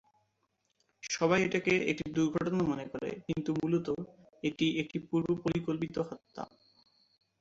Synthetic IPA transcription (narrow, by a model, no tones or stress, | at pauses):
ʃɔβajeʈakeḛʈid̪uɾɡʱɔʈonamɔnekɔɾḛkint̪umulot̪o | eʈiʔek̚ʈipuɾbopoɾikolpit̪oɦɔt̪ːa̰